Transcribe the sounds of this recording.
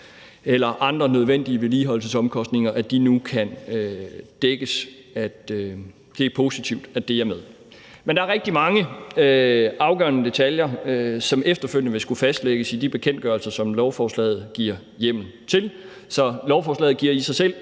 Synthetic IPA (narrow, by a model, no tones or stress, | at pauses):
elɐʔɑ̈nd̥ʁɐnøð̞ˠʋen̰d̥iəʋe̝liːɦɒ̽l̰səsɒ̽mkʰɒ̽sd̥ne̝ŋɐʔæd̥inukʰænød̥eɡ̥əs | æd̥ | d̥e̝æpʰo̝sit͡sʰiʊd̥æd̥e̝ɐmeð̞ˠ | mend̥ɑ̈æɐʁɛɡ̥̚d̥imɑ̈ŋə | ɑ̈ʊɡ̥ɶɐnəd̥e̝t͡sʰæljɐøsɒ̽mefd̥ɐføl̰jənəʋe̝sɡ̥ufæsd̥leɡ̥əsid̥ib̥e̝kʰen̰d̥ɡ̥ɶɐlsɐsɒ̽mlɒʊfɒːslɛ̰ːð̞̩ˠɡ̥iɐ̰ | jem̰n̩t͡sʰe̝l | sɒ̽lɒʊfɒːslɛ̰ːð̩ˠɡ̥iɐ̰isɑ̈ɪsel̰